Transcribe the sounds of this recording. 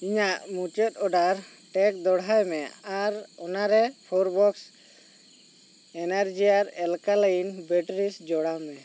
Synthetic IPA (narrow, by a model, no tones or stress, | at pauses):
iɲaʔmut͡ʃɔt̪̚ˀɔɖaɾ | ʈɛk̚d̪ɔɽɦajmɛaɾɔnaɾɛpʰɔɾbɔks | ɛnɛɾd͡ʒijaɾɛlkaləjinbɛʈɾisd͡ʒɔɽamɛ